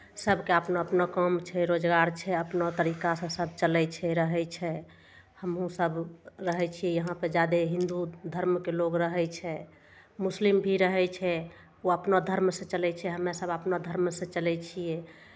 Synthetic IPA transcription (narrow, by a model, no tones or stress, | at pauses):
səbʱkeəpnoəpnokəmt͡ʃʰɛɾod͡ʒɡaɾt͡ʃʰɛəpnot̪əɾikasə̃səb̚ʱt͡ʃəlɛt͡ʃʰɛɾəɦɛt͡ʃʰɛ | həmɦũsəbɾəɦɛt͡ʃʰijɛjəɦãped͡ʒad̪eɦĩnd̪ud̪ʱəɾmkeloɡɾəɦɛt͡ʃʰɛ | muslimbʱiɾəɦɛt͡ʃʰɛ | oəpnod̪ʱəɾmsẽt͡ʃəlɛt͡ʃʰɛɦəmesəbəpnod̪ʱəɾmsə̃t͡ʃəlɛt͡ʃʰijɛ